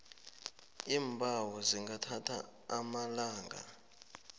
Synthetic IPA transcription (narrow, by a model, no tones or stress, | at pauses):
iːmbʱawɔziŋɡatʰatʰa̰ː | malaːŋɡa̰